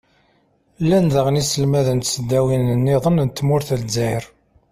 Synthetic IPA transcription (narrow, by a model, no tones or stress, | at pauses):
lːænðəʁnisəlmæðənt̪səd̪ːæwinənːeðˤənnt̪ːmʊɾθəlzæjɾ